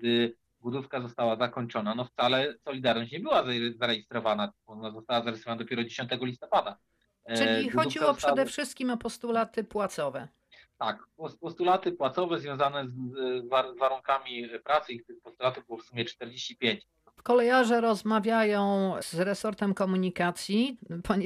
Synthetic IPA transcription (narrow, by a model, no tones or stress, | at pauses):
d̪ɘ | bud̪ufkazɔst̪awazakɔɲt͡ʂɔnanɔft̪salɛsɔlʲid̪aɾnɔɕt͡ɕɲɛbɘwazazaɾɛjist̪ɾɔvananazɔst̪awazaɾɨsɾvanad̪ɔpʲɛɾɔd͡ʑeɕɔ̃nt̪ɛɡɔlʲist̪ɔpad̪a | t͡ʂɘixɔuiwɔpʂɛd̪ɛfʂɘst̪̚kʲimɔpɔst̪ulat̪ɘpwat̪sɔvɛ | t̪akpɔpɔst̪ulat̪ɘpwat̪sɔvɛzvʲjɔ̃w̃zanɛzvavaɾuŋkamʲipɾat̪sɘikt̪pɔst̪ulat̪ɘbɘwɔfsumʲjɛt͡ʂt̪ɛɾd͡ʑeɕt͡ɕipʲjeɲt͡ɕ | fkɔlɛjaʐɛɾɔzmavʲjajɔ̃w̃z̥ɾɛsɔɾt̪ɛmkɔmuɲikat̪sʲjipʰɔɲ